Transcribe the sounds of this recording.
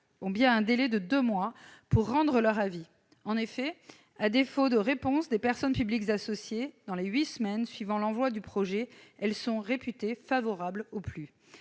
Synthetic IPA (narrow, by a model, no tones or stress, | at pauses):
ɔ̃bjɛ̃ɛ̃d̪elɛd̪əd̪ømwapuʁːɑ̃d̪ʁəlœʁavi | ɑ̃nefɛ | ad̪efod̪oʁepɔ̃sd̪epɛʁsɔnpyblikzasɔsjed̪ɑ̃leɥismɛnsɥivɑ̃lɑ̃vwad̪ypχɔʒɛɛlsɔ̃ʁepyt̪efavɔʁabloply